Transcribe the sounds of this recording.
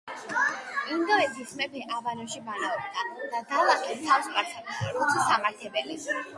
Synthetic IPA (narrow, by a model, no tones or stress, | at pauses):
ind̪ɔɛt̪ʰismɛpʰiʔavanɔʃibanaɔb̚d̪ad̪̥ad̪alˠaχʼɛt̪ʰawskʼaɾt̪sʰɛpisɛɾut̪sʰisamaɾt̪ʰɛbɛli